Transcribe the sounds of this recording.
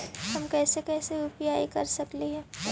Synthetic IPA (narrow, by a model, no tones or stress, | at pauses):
ɦɐmkɛːsekɛːseʊpjaːikɐɾsɐkleɦɛ̃ː